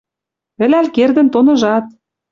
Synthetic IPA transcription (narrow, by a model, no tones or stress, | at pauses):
ɘ̆lælkerd̪ə̆nt̪onɤ̆ʒɑt̪̚